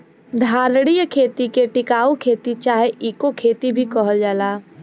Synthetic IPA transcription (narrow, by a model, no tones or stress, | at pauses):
d̪ʱaːɾɽ̃ijəkʰeːt̪ikeʈɪkaːukʰeːt̪it͡ʃaːɦeʔiːkokʰeːt̪ibʱikəɦəld͡ʒaːlaː